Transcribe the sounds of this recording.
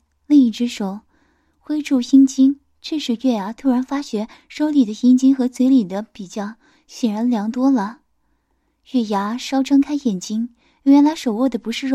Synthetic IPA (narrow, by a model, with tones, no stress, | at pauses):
li˥˧ŋi˥˩ʈ͡ʂɻ̩˥ʂo˨˩˦ʊ | xwe˥ɪʈ͡ʂu˥˩ɕi˥nt͡ɕi˥n | ʈ͡ʂ̩˥˧ʂɻ̩˥˩ɥɛ˥˩ja˧˥t̪ʰu˥ɻa˧˥nfa˥ɕɥɛ˧˥ | ʂo˥ʊli˨˩d̪ə˦ɕi˥ŋt͡ɕi˥ŋxɤ˧˥t͡swe˧˥ɪli˨˩d̪ə˦pi˨˩t͡ɕjɑ˥˩ʊ | ɕjɛ˨˩nɻa˧˥nljɑ˧˥ŋt̪wɔ˥lə˨ | ɥɛ˥˩ja˧˥ʂɑ˥ʊʈ͡ʂʰɤ˥ŋkʰa˥ɪxjɛ˨˩nt͡ɕi˥ŋ | ɛ˧˥ɥɛ˧˥nla˧˥ʂo˨˩ʊwɔ˥˩d̪ə˩pu˧˥ʂɻ̩˥˧˥